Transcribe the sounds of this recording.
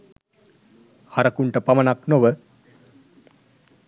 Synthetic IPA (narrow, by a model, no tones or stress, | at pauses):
haɾəkuɳʈəpamənaknoʋə